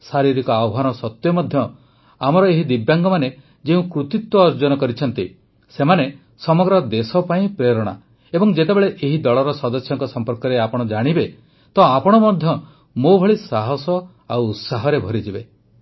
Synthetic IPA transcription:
saɾiɾikɔaɔɦanɔsɔt̪jɔmɔd̪ʱjɔ | amɔɾɔeɦid̪ibjaŋɡɔmane | d͡ʒeũkɾut̪it̪wɔːɾd͡ʒɔnɔkɔɾit͡ʃʰɔnt̪i | semane | sɔmɔɡɾɔd̪esɔpaĩpɾeɾɔɽ̃a̰ | ebɔŋd͡ʒet̪ebeɭeʔeɦid̪ɔɭɔɾɔsɔd̪ɔsjɔŋkɔsɔmpɔɾkɔɾeapɔɽ̃ɔd͡ʒaɽ̃ibe | t̪ɔapɔɽ̃ɔmɔd̪ʱjɔ | mobʱɔɭisaɦɔsɔ | awːt̪saɦɔɾebʱɔɾid͡ʒibe

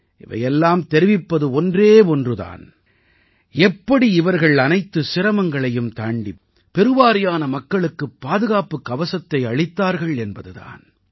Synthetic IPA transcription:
ʔɪʋɐ̰jɛlːaːmt̪ɛɾɪʋɪpːɐðɯɔndreːɔndrɯða̰ːn | ɛpːɐɽiɪʋɐɾɣɐɭɐnɐɪt̪ːɯsɪɾɐmɐŋɡɐɭɐjɯmt̪aːɳɖi | pːɛɾɯʋaːɾɪjaːnɐmɐkːɐɭɯkːɯpːaːðɯɣaːpɯkːɐʋɐsɐt̪ːɐɪɐɭɪt̪ːaːɾɣɐɭɛnbɐðɯða̰ːn

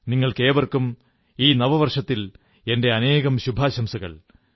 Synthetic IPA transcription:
niŋːɐɭke̞ːʋɐrkum | iːnɐʋɐʋɐrʂɐt̪ːil | e̞nde̞ɐne̞ːɣɐmɕubʱaːɕɐmsɐɣɐ̰ɭ

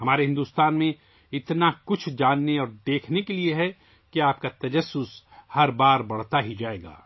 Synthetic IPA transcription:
hɐmaːɾeɦɪ̃nd̪uːst̪aːnmẽ | ɪt̪nakʊt͡ʃʰd͡ʒaːnːeɔːɾd̪eːkʰnekelieɦɛ | kiaːp̚kat̪ɐd͡ʒɐsːʊs | hɐɾbaːɾbɐɽ̤t̪aɦid͡ʒaːeːɡa̰ː

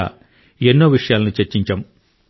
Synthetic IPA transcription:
a̰ | enːoːʋiʂɐjaːlɐnut͡ʃeɾt͡ʃːiɲt͡ʃɐm

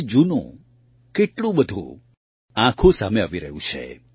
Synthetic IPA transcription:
d͡ʒunõ̰ | keʈlũbəd̪ʱṵ̃ | ãkʰosameaʋiɾəɦũt͡ʃʰḛ

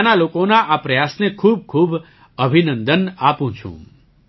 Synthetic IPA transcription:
nalokonaʔapɾəjasnekʰub̚kʰub | əbʱinənd̪ənapũt͡ʃʰṵ̃

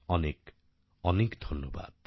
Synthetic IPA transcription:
ɔnek | ɔnekd̪ʱɔnːɔba̰d̪̥̚

